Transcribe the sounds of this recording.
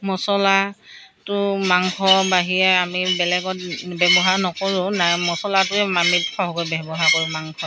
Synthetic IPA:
mɔsɔlatʊmaŋkʰɔbaɦijɛamibɛlɛɡɔt̚bɛbɔɦaɹnɔkoɹʊ̃namɔsɔlatʊɛmamitkʰɔɦɔkɔjbɛbɔɦaɹkoɹʊ̃maŋkʰɔ

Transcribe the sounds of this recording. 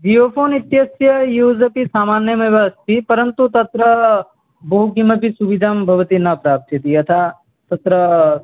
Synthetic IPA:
d͡ʒijoːfʰoːnit̪jɐsjɐjuːzɐpisaːmaːnjɐmiʋast̪ʰipɐɾənt̪ut̪ɐt̪ɾɐ | bɐɦuɡimɐpisuʋid̪ʱaːmbʱɐʋɐt̪inapɾaːp̚t̪it̪iɐt̪ʰa | t̪ɐt̪ɾɐ

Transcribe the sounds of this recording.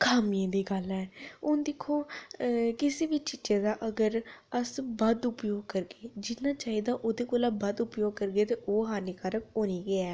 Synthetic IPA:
kʰaːmiãːd̪iːɡəlɛːʊnd̪ɪkʰːoː | kɪseːʋiːt͡ʃit͡ʃeːd̪aːʔəɡəɾəsbəd̪ʊpjoːɡ̚kəɾɡeːd͡ʒɪnaːt͡ʃaːɦiːd̪aːʔoːd̪eːkoːlaːbəd̪ʊpjoːɡ̚kəɾɡeːt̪eːʔoːɦaːnɪkaːɾəkoːniːɡɪɛː

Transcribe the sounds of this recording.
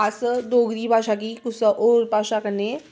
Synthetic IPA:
əsəd̪oɡɾiːbʱaʂak̬ikusəʔoɾbʱaʂakəne

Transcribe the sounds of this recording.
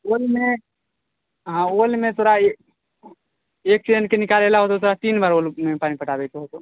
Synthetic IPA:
olme | ɦãolmet̪ʰoɾae | ek̚sieɳɖkenikalelaɦot̪ot̪ʰoɾat̪inbaɾolmepanipəʈabekeɦot̪o

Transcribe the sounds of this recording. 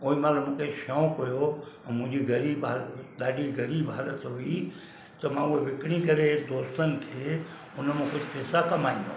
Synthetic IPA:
oːimaːləmʊ̃kʰeʃõːkɦʊjomʊ̃ɦd͡ʒiɡɐɾiːbalɗ̪aːɖiɡəɾiːbɦaːlət̪ɦʊi | t̪ɐmãːueʋɪkɽ̃ikəɾed̪oːst̪ənɪ̆t̪ʰe | ʊnmẽkʊt͡ʃʰpeːsakɐmaːĩõ̰

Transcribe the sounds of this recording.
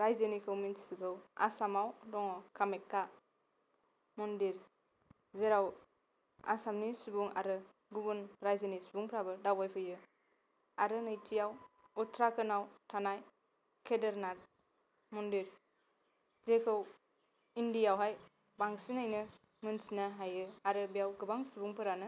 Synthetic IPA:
ɾajzɯnikʰɯwminsɯkɯwa̰samawdɔŋɔkʰamekːa | mɔndiɾ | zeɾaw | a̰samnisubuŋa̰ɾɯ | ɡubunɾajzɯnisubuŋpʰɾabɯdawbajpʰɯjɯ | aɾɯnɯjtʰijawutʰɾakʰɯnawtʰanaj | kʰedeɾnat̚ | mundiɾ | zekʰɯw | indijawɦaj | baŋsinajnɯ | mɯnsinaɦajɯaɾɯbijawɡɯbaŋsubuŋpʰɯɾanɯ

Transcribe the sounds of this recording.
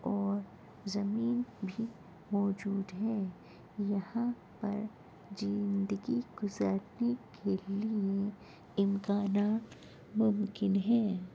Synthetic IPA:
ɔːɾ | zɐmiːnbʱi | mɔːd͡ʒuːd̪ɦɛː | jɐhã | pɐɾ | d͡ʒɪnd̪əɡiɡʊzaɾnekʰelie | ɪmkaːnaːt̪ | mʊmkɪnɦɛ̃ː

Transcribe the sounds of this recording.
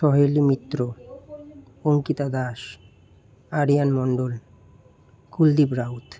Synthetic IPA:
ʃɔɦolimit̪ːɾo | oŋkit̪ad̪aʃ | aɽijanmɔɳɖol | kuld̪ibɾaut̪

